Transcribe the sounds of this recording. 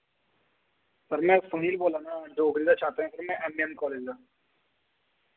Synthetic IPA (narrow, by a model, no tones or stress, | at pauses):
sɐɾmɛ̃sɐɦiːlboːlaːnaɖoːɡɾiːd̪at͡ʃʰaːt̪eɦɛ̃sɐɾmɛ̃ʔɛmijə̃nkɔːleːd͡ʒdaː